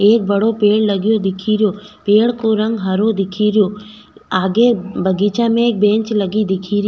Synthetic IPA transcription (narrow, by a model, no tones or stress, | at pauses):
eːk̚bəɽopeːɽləɡjod̪ɪkʰiɾjoːpeːɭkoɾə̃ŋɡɦəɾod̪ɪkʰiɾjoː | aːɡebəɡit͡ʃamẽeːk̚bẽːɲt͡ʃləɡid̪ɪkʰiːɾɪj